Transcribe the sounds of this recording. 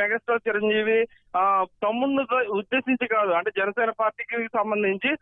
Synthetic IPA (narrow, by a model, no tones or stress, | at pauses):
mɛɡɐːsʈaːɾt͡ʃiɾɐɲd͡ʒiːʋi | t̪ɐmːund̪ut̪oud̪ːeːsiɲt͡ʃikaːd̪uɐɳʈe̞ːd͡ʒɛnɐsɛːnɐpaːɾʈiːkisɐmbɐnd̪ʱiɲt͡ʃi